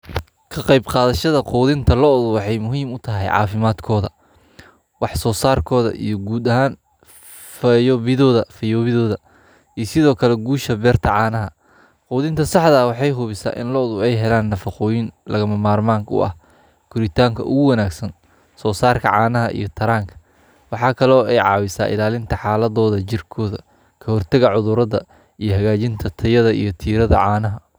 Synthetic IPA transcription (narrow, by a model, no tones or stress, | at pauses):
kʰɐqɑjbqɑːðɐʃɐðɐqɔːðɪnt̪ʰɐlɔɔðʊwɑħɑjmʊɦiːmʊt̪ʰɐɦɛ̰jʕɑ̰ːfɪmaːd̪kʰɔːðɐ | wɑħsɔːsaːrkʰɔːðɐ̰ʔḭjɞɡuːd̪ɐɦaːn | fɐjɔβɪðɔːðɐfɐjɔːβɪðɔːðɐ | ijsɪðɔːkʰɐlɛɡuːʃɐbɛːrt̪ʰɐʕɑːnɐɦɐ | qɔːðɪnt̪ʰɐsɑħðɐːwɑħɑjɦʊβɪsa̰ːʔɪ̰nlɔɔðʊɛjɦɛlaːnːɐfɑqɔːjɪnlʔɐ̰ɣɐmɐmaːrmaːŋkʰʊ̰ʔɐ̰h | kʰʊɾɪt̪ʰaːŋkʰɐʔʊ̰ɣʊwɐnaːɡsɐn | sɔːsaːrkʰɐʕɑːnɐɦɐʔḭjɞt̪ʰɐɾaːŋkʰɐ̥ | wɑħɑːkʰɐlɔːɛjʕɑ̰ːwɪsa̰ːʔɪ̰laːlɪnt̪ʰɐħɑːlɐðɔːðɐt͡ʃɪrkʰɔːðɐ̰ | kʰɐhɔrt̪ʰɐɣɐʕʊðʊɾɐðɐ | ijɞɦɐɣaːt͡ʃɪnt̪ʰɐt̪ʰɐjɐðɐʔḭjɞt̪ʰiːɾɐðɐ̰ʕɑːnɐɦɐ